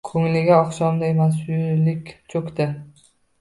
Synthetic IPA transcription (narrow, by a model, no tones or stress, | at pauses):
kʲʰɵŋlɪɡʲaɒχʃɒmd̪amaslɪkʲt͡ʃʰɵkʲt̪ɪ